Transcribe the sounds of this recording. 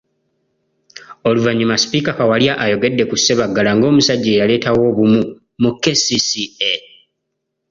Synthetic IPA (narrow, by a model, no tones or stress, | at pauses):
oluvaɲːimaspikakawaljaʔajo̞ɡe̞dːe̞kusːe̞βaɡːalaŋɡo̞ːmusaɟːeːjale̞ːtawo̞ːβumu | mukːe̞sisie